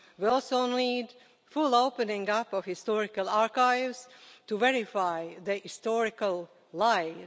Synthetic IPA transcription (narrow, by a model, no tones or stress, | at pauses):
wɪɔlˠsoʊnliːd | fulˠoʊpənɪ̃ŋɡapɔvhɪstɔɹɪkalˠaɹkaɪvz̥tuvɛɹɪfaɪðəhɪstɔɹɪkalˠ | laɪ